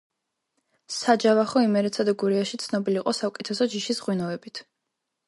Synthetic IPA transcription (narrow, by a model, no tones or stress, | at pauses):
sad͡ʒavaχɔimɛɾɛt̪sʰad̪aɡuɾiaʃit̪sʰnɔbiliqʼɔsakʼɛt̪ʰɛsɔd͡ʒiʃisʁwinɔɛbit̪ʰ